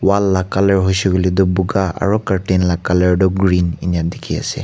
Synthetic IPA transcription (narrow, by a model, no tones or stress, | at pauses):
walːakaləɹɦʊjsuɡɔlidɔbuɡaa̰ɹɔkaɹʈenlakaləɹdɔɡɹininijadikʰia̰sɛ̰